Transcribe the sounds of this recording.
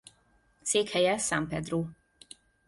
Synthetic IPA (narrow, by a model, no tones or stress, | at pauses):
t̪seːkhɛjɛsampɛd̪roː